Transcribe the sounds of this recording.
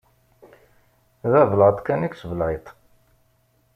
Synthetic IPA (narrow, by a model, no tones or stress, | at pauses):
ðævləʁt̪ˤkæniksvəlʕet̪ˤ